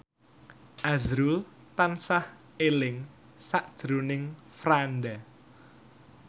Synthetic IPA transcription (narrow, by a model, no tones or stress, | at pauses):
ʔazɾul | t̪ansah | elɪŋ | saʔd̥ʒ̥ɾunɪŋfɾanda